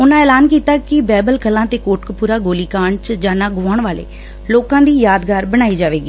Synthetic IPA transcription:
ʊnãːɛːlaːnkiːt̪aːkɪbɛːbəlkəlːãːt̪eːkoːʈkpuːɾaːɡoːliːkaːɳt͡ʃd͡ʒaːnaːɡʊaːɳʋaːlḛː | loːkãːd̪iːjaːd̪ɡaːɾbəɽ̃aːiːd͡ʒaːʋeːɡiː

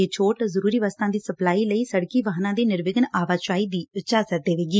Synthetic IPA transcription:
eːt͡ʃʰoːʈzəɾuːɾiːʋaːst̪ãːd̪iːsəplaːiːləiːsəɽkiːʋəɦnãːd̪eːnɪɾʋɪɡənaːʋaːt͡ʃaːiːd̪iːʊt͡ʃaːsəɾd̪eːʋeːɡiː

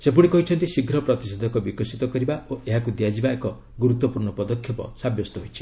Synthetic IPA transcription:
sepuɽ̃ikɔɦit͡ʃʰɔnt̪isiɡʱɾɔpɾɔt̪ised̪ʱɔkɔbikɔsit̪ɔkɔɾibaoʔeɦakud̪ijad͡ʒibaekɔ | ɡuɾut̪ːɔpuɾɳɔpɔd̪ɔkʰjɔpɔ̰sabjɔst̪ɔɦojt͡ʃʰi̥

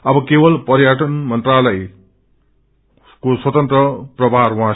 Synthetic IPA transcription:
ʌbʌkebʌlpʌɾjaʈʌnmʌnt̪ralʌj | koswʌt̪ʌnt̪rʌprʌbʱarwɦã

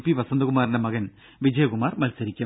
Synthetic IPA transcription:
pːiʋɐsɐnd̪ɐɣumaːɾinɐmɐɣɐn | ʋid͡ʑɐjɐkumaːrmɐlsɐɾikʲːɐ

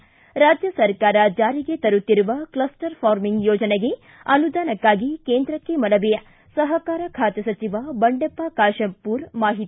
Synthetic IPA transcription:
ɾaːd͡ʒjɐsɐɾkaːɾɐd͡ʒaːɾiɡe̞t̪ɐɾut̪ːiɾuʋɐklɐsʈɐɾpʰaːɾmiŋɡjoːd͡ʒɐneɡe̞ | ɐnud̪aːnɐkːaːɡikeːnd̪ɾɐkːemɐlɐbijɐ | sɐɦɐkaːɾɐkʰaːt̪ɐsɐt͡ʃiʋɐbɐɳɖepːakaːʃɐmpuːɾmaːɦit̪i

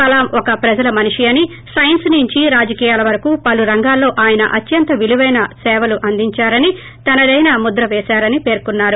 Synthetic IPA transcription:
ɐlaːmɔkɐpɾɐd͡ʒɐlɐmɐniʂiɐni | sɐjɐnsniɲt͡ʃiɾaːd͡ʒɐkiːjaːlɐʋɐɾɐkuːpɐluɾɐŋɡaːlːo̞ːʔaːjɐnɐ̰ʔɐt̪jɐnt̪ɐʋiluʋɐjnɐsɛːʋɐluʔɐnd̪ʱiɲt͡ʃaːɾɐni | t̪ɐnɐd̪ɐjnamud̪ɾɐʋeːsaːɾɐnipe̞ːɾkunːaːɾu

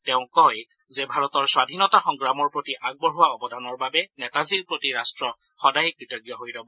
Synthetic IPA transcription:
tɛʊ̃kɔj | zɛbʱaɹɔtɔɹswadʱinɔtaxɔŋɡɹamɔɹpɹotiʔaɡ̚bɔɹɦuwaɔbɔdʱanɔɹbabɛnɛtaziɹpɹotiɹastɹɔxɔdajkɹitɔɡjɔɦojdɔbɔ

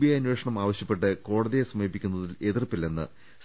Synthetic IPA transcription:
bijɐjɐnweːʂɐɳɐmaːʋɐɕjɐpːe̞ʈ̬ːɨko̞ːɽɐðijesɐmeːpːikʲːunːɐðile̞ðirpilːenːɨ̰ | s

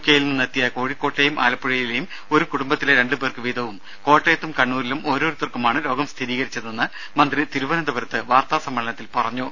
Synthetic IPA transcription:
kʲjejilniɨnet̪ːijɐko̞ːɻikːo̞ːʈːejumʔa̰ːlɐpːɐɻɐjile̞jum | o̞ɾukuɽumbɐt̪ːileɾe̞ɳɖɨpeːrkɨʋiːd̪ʱɐʋum | ko̞ːʈːejɐt̪ːumkɐɳːuːɾilumʔo̞ːɾoːɾut̪ːirkumaːɳɨlo̞ːɡɐmst̪ʰiɾiːɣɐɾit͡ɕːɐðenːɨ | mɐnd̪rit̪iɾuʋɐnɐd̪ɐbɐɾɐt̪ːɨʋaːrt̪aːsɐmːɐɭɐnɐt̪ːilpɐrɐɲːo

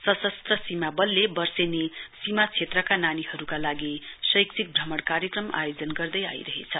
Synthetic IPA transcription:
sʌsʌst̪rʌsimabʌlːebʌrsenesimat͡sʰet̪rʌkananihʌɾukalaɡisʌjksʰik̚bʱʌmʌɽkaɾjekrʌma̰jod͡zʌnɡʌrd̪ʌja̰jɾʌɦḛt͡sʰʌ

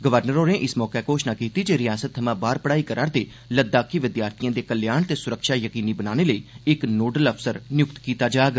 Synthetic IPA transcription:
ɡəʋəɾnəɾoːnẽːʔɪsmɔːkeːkoːʃnaːkiːt̪iːd͡ʒeːɾɪjaːsət̪ʰːəmãːbaːɾpəɽaːiːkəɾʔaɾt̪eː | ləd̪ːaːkiːʋɪd̪jaːɾt̪ʰijãːd̪eːkəljaːɳt̪eːsʊɾəkʃaːjəkiːniːbənaːñeːləiːɪknoːɖələpsəɾnɪjʊkt̪kiːt̪aːd͡ʒaːɡ

